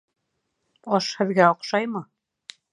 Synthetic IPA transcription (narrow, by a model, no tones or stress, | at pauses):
ɒʃhɘ̆ðɡæŏqʃɑjmɤ